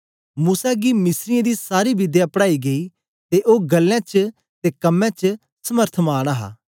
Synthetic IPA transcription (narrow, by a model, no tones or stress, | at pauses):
muːsaɡimɪsɾɪjãd̪isaːɾibɪd̪japəɽaːiɡei | t̪eʔoːɡɐlːãt͡ʃ | t̪ekɐmːãt͡ʃ | sɐməɾt̪ʰmaːɽ̃aɦa̰ː